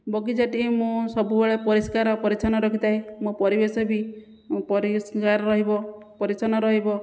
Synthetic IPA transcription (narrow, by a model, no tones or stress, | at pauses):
bɔɡid͡ʒaʈimũsɔbubeɭepɔɾiskaɾɔpɔɾit͡ʃʰanɔɾɔkʰit̪ajmũpɔɾibesɔbĩ | pɔɾiskaɾɔɾɔɦibɔ | pɔɾit͡ʃʰanɔɾɔɦibɔ